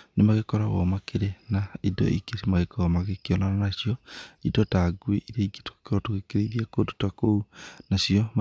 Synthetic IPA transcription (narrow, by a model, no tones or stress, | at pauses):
nemaɣekɔɾaɣɔ̰makeɾenaidɔ̰ʔḭkesimaɣekɔamaɣekeɔnananaʃijɔidɔtaɡweʔiɾeiɡeto̥kkɔtokekeɾeiðiakotu̥takounaʃiɔm